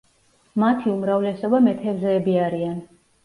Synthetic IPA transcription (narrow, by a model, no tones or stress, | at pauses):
mat̪ʰiumɾavlɛsɔbamɛt̪ʰɛvzɛːbiaɾian